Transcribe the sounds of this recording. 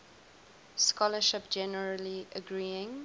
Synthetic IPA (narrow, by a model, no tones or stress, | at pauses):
skɔləʃɪpd͡ʒɛnəɹəliʔəɡɹiːɪ̃ŋ